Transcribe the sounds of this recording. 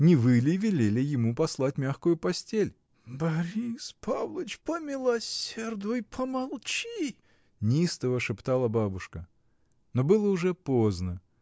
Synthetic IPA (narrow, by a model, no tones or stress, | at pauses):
nʲɪvɨlʲɪvʲɪlʲelʲɪjɪmupɐslˠat̚ʲmʲaxkʊjʊpɐsʲtʲelʲ | bɐɾʲispʰavlˠət͡ɕpəmʲɪlˠɐsʲerd̪ʊjpʰəmɐlˠt͡ɕi | nʲist̪əvəʂɨpt̪alˠəbabʊʂkə | nobɨlˠəʊʐɛpoznə